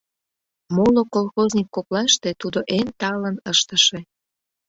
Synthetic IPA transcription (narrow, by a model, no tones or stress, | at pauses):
molokolˠxozʲnʲikːoklɑʃt̪et̪ud̪oʔent̪ɑlənəʃt̪əʃe̽